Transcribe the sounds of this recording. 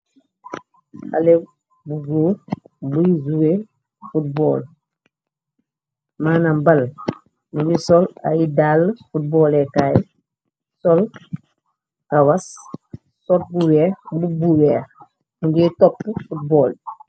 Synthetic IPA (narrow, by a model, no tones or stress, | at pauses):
a̰le | buɡoːbuizuwe | fut̚bɔːl | maːnambal | nibisɔla̰jidaːlːfut̚bɔːlekaːj | sɔl | kawas | sot̚buweɾbubuweːɾ | ŋɡetɔpːfut̚bɔːl